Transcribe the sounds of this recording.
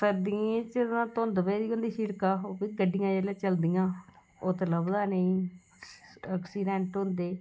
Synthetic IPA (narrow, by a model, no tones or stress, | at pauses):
səɾd̪iẽt͡ʃəãːt̪õnd̪əbeːd̪iːɦõnd̪iːsiːɽkaːoːpiːɡəɖijãːd͡ʒeːljeːt͡ʃəld̪ijãː | oːt̪ələbd̪aːnəĩː | əksiːɖɛ̃ːɳʈɦʊ̃nd̪eː